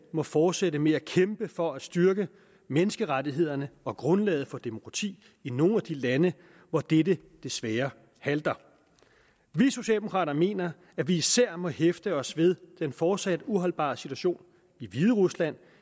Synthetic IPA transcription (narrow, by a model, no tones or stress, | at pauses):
mɒ̽fɒːd̥seɾəmeækʰemb̥əfɒ̽æ̥sd̥yɐɡ̥ə | menəsɡ̥əʁadiɦe̝ð̞̰ˠɐnəɒ̽ɡ̥ʁɔ̽nlɛ̰ːð̩ˠfɒ̽d̥e̝mo̝kʰʁɑ̈t͡sʰḭː | ino̝ːæd̥ilænə | ʋɒd̥edə | d̥e̝sʋɛːɐ | hæld̥ɐ | ʋiso̝ɕɛ̰ld̥emokʰɑ̰̈ːdɐme̝̰ːnɐ | æʋiːsæɐ̰mɒ̽hefd̥əɒ̽sʋe̝ðˠd̥enfɒːd̥sæd̥uɦɒ̽lb̥ɑ̰̈ːsit͡sʰuæɕo̝̰ːn | iʋið̞ˠəʁuslæn̰